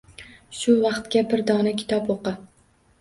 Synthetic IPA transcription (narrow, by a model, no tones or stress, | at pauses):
ʃʊvɑqt̪kʲabɪɾd̪ɒnakʲʰɪ̥t̪ʰɒpoqɨ